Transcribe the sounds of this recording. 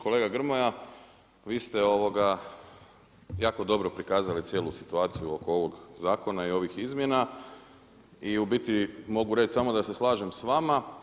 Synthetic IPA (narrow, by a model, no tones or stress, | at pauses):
ko̞le̞ːɡaɡr̩moja | ʋiːst̪eo̞ʋo̞ɡa | jaːko̞d̪o̞bɾo̞pɾikaːzalit̪sje̞ːlusit̪uaːt̪sijuo̞koo̞ʋo̞ɡzaːko̞naio̞ʋixizmjena | iubit̪imo̞ɡuɾet͡ʃsamo̞d̪ase̞slˠaːʒe̞msʋama